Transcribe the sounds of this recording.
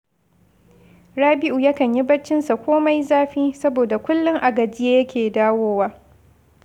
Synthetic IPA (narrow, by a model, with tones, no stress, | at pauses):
ɽaː˦bɪ˦ʔu˨ja˦kɐ˨ɲji˦bɐ˦t͡ʃːɪ˦nsa˨kʷoː˦ma˦jzaː˦ɸiː˦sɐ˦boː˨da˨kʷʊ˦lːʊ˦ŋʔa˨ɡɐ˨d͡ʒɪː˦jɐ˦kʲʰeː˨daː˦woː˦waː˦